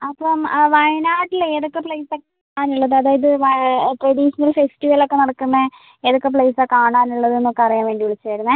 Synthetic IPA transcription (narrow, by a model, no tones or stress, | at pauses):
ɐpːɐmʋɐɻɐnaːʈːileːðokːepɭejsakaːɳaːnuɭːɐðɨɐðaːjɐðɨʋɐʈrɐɽiʂɐnɐlfesʈiʋɐlo̞kːe̞nɐɽɐkːunːɐ | eðokːepɭejsaːkaːɳaːnuɭːɐðɨenːokːɐrijaːnʋeːɳɖiuɭit͡ɕːɨʋɐɾunːɐ